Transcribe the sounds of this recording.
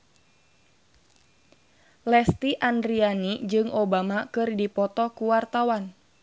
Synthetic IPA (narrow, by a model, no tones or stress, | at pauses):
lɛst̪iʔandɾianid͡ʒɨŋʔobamakɨrdipɔt̪ɔkuwart̪awan